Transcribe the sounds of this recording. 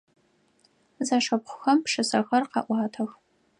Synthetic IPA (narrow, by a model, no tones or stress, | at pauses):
zaʂɐpχʷʊxɐmpʂɨsɐɣɐrqɑ̰ʔʷɑːtʰɐx